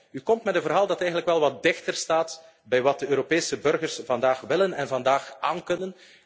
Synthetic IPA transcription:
ykɔmtmɛtənvərɦaːlˠdɑtɛjɣənləkʋɛlˠʋɑt̚dɪxtərstaːt | bɛjʋɑt̚dəøːɾopeːsəbɵrɣərsv̥ɑndaːxʋɪlənɛnvɑndaːxaːnkɵnən

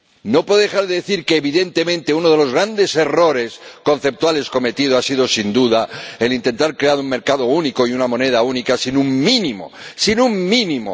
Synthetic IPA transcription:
no̞pweððe̞xaɾðeðeθiɾkeːβiðe̞nt̪emẽ̞nt̪e̞unoð̞e̞lo̞zɣɾand̪e̞se̞ro̞ɾe̞sko̞n̟θe̞p̚t̪wale̞sko̞me̞t̪iðoasiðo̞sind̪uðaelint̪e̞nt̪aɾkɾe̞aɾuŋme̞ɾkaðo̞uniko̞iunamõ̞ne̞ð̞aunikasinuŋmĩnĩmo̞̰sinuŋmĩnĩmo̰

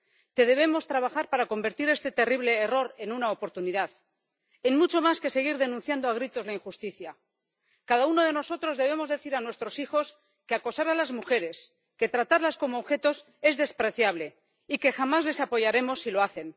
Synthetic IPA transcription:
t̪e̞ðe̞β̞e̞mo̞st̪ɾaβaxaɾpaɾako̞mbe̞ɾt̪iɾe̞st̪e̞t̪e̞riβ̞le̞ːro̞ɾe̞nunaopo̞ɾt̪uniðað | enmut͡ʃo̞maske̞se̞ɣ̞iɾðe̞nũn̟θjand̪oaɣ̞ɾit̪o̞zlaiŋxust̪iθja | kaðauno̞ð̞e̞no̞so̞t̪ɾo̞zðe̞β̞e̞mo̞zðe̞θiɾanwest̪ɾo̞sixo̞s | keako̞saɾalazmuxe̞ɾe̞s | ke̞t̪ɾat̪aɾlasko̞moːβxe̞t̪o̞s | e̞zðe̞spɾeθjaβ̞le̞ | ike̞xamazle̞sapo̞ʝaɾe̞mo̞sːilo̞aθe̞n

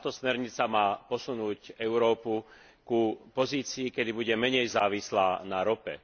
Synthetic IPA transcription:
aːt̪ɔsmɛɾɲit͡samaːpɔsunuːcɛʊɾɔːpu | kupɔziːt͡siːkɛd̪ibuɟɛmɛɲɛjzaːʋislaːnaɾɔpɛ̰

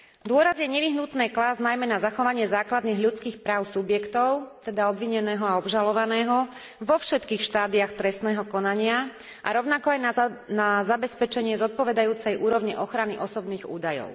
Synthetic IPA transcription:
d̪ʊɔɾazjɛɲɛʋiɦnut̪nɛːklaznajmɛnazaxɔʋaɲɪɛzaːklad̪niːɣʎut͡skiːxpɾaːʊsubjɛkt̪ɔʊt̪ɛd̪aɔbʋiɲɛnɛːɦɔaɔbʒalɔʋanɛːɦɔ | ʋɔfʃɛt̪kiːxʃt̪aːd̪iaxt̪ɾɛst̪nɛːɦɔkɔnaɲɪa | ʔa̰ɾɔʊnakɔajnanazabɛspɛt͡ʃɛɲɪɛzɔt̪̚pɔʋɛd̪ajuːt͡sɛjʔuːɾɔʋɲiʔɔxɾaniʔɔsɔbniːɣṵːd̪ajɔ̰ʊ

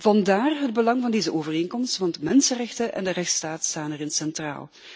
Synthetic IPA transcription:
v̥ɑndaːrɦəd̚bəlɑŋvɑndeːzəʔoːvəreːnkɔmstʋɑntmɛnsənrɛxtənʔɛ̰ndərɛxtstaːtstaːnɛrɪnsɛntra̰ːlˠ

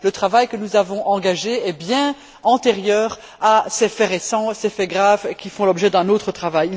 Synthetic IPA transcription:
lət̪χavajkənuzavɔ̃ʔɑ̃ɡaʒeɛbjɛ̃ | ɑ̃t̪eʁjœːʁ | asɛfɛʁesɑ̃sɛfɛɡʁavkʲifɔ̃lɔbʒɛd̪ɛ̃noːt̪χət̪χavaji

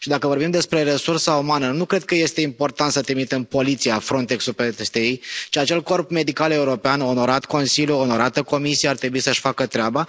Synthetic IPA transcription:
ʃid̪akəvo̞rbimd̪e̞spɾe̞ɾe̞sursaumanənukɾe̞d̪̚kəje̞st̪e̞impo̞rt̪ant̪sət̪ɾimit̪empo̞lit̪sijafɾo̞nt̪e̞ksupet̪est̪ejejt͡ʃiat͡ʃe̞lko̞rpme̞d̪ikale̞uɾo̞peano̞no̞ɾat̪ko̞nsiljuono̞ɾat̪əko̞misijeart̪ɾe̞buisəʃfakət̪ɾeaba

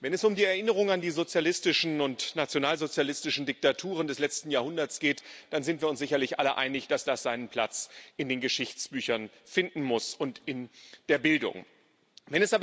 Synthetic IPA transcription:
vɛnɛsʊmdiːɛɐʔɪnəʁ̞ʊŋandiːzot͡sjalɪstɪʃn̩ʊntnat͡sjonaːlzot͡sjalɪstɪʃn̩dɪk̚tatʰuːʁ̞əndɛslɛt͡stn̩jaːɐhʊndɐsɡ̥eːtd̥anzɪntv̥iːɐʊnszɪçɐlɪçʔa̰ləʔa̰ɪnɪçd̥asd̥asz̥aɪnənpʰl̥a̰t͡sʔɪndeːnɡəʃɪçt͡sb̥yːçɐn | fɪndn̩mʊsʊntɪnd̥eːɐbɪldʊ̰ŋ | vɛnɛsʔaːb

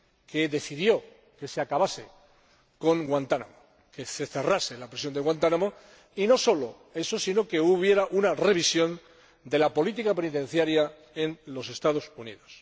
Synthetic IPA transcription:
ke̞ðe̞θiðjo̞ | ke̞seakaβase̞ | ko̞ŋɡwant̪ana̰mo | ke̞se̞θe̞raselapɾesjo̞nd̪eɣwant̪anamo | ino̞so̞lo̞ | e̞so̞sino̞ke̞uβ̞je̞ɾaʔunare̞β̞isjo̞n | d̪e̞lapo̞lit̪ikape̞nit̪ẽ̞n̟θjaɾja | e̞nlo̞se̞st̪að̞o̞sunḭðo̞s

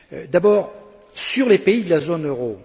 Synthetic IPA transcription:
d̪abɔːʁ | syʁlepeid̪əlazonøʁo

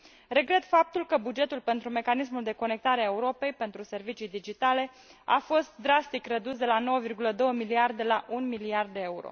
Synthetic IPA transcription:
re̞ɡɾe̞t̪fap̚t̪ulkəbud͡ʒe̞t̪ulpe̞nt̪ɾume̞kanis̬muld̪e̞ko̞ne̞k̚t̪aɾeaeuɾo̞pe̞jpe̞nt̪ɾuse̞rvit͡ʃijd̪id͡ʒit̪ale̞ | a̰fo̞st̪̚d̪ɾast̪ikrəd̪usd̪e̞lano̞wəvirɡuləd̪o̞wəmiliard̪e̞laʔunmiliard̪ːeeuɾo̰

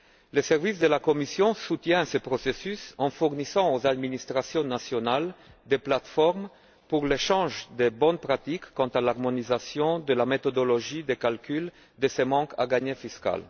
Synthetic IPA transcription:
ləsɛʁvis̬d̪əlakɔmisjɔ̃sut̪jɛ̃səpʁɔsesysɑ̃fuʁnisɑ̃ozad̪minist̪χasjɔ̃nasjɔnal | d̪eplat̪fɔʁm | puʁleʃɑ̃ʒd̪ebɔnpʁat̪ikːɑ̃t̪alaʁmɔnizasjɔ̃d̪əlamet̪ɔd̪ɔlɔʒid̪ekalkyl | d̪əsemɑ̃kʰa̰ɡaɲefiska̰l

